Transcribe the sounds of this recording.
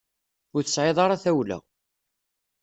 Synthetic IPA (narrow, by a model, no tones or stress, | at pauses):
ʊɾθəsʕeðˤɑɾaθæwlæ̰